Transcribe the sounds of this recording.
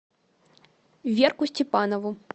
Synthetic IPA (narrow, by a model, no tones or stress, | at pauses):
vʲɛrkusʲt͡sʲɛpanɐvu